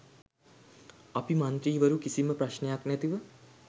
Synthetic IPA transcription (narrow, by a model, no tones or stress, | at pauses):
ɐpimɐnt̪ɾiːʋɐɾukisiməpɾɐʃnejaknæt̪iʋə